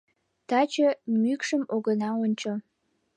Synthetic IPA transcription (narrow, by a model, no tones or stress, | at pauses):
t̪ɑt͡ɕəmykʃəmoɣənɑonʲt͡ɕo